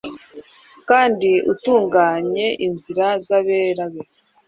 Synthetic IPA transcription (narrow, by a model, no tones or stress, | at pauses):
kaːndiʔutuːŋɡaːɲe̞ʔinziɾazaβe̞ːɾaβe